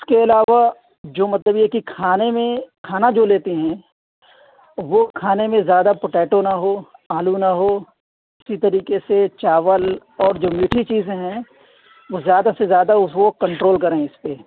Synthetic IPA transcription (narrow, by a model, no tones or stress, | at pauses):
ɪskeɪlaːʋa | d͡ʒoːmɐt̪ləbjɛkikʰaːnemẽkʰaːnad͡ʒoːleːt̪iɦɛ̃ː | ʋokʰaːnemẽzjaːd̪apoʈeːʈonɐɦoːaːlunɐɦoː | ɪsit̪ɐɾiːkeset͡ʃaːʋəlɔːɾd͡ʒoːmjuːʈʰit͡ʃiːzẽɦɛ̃ | ʋozjaːd̪asezjaːd̪aʊskokɐ̃ɳʈɾoːlkɐɾẽɪspe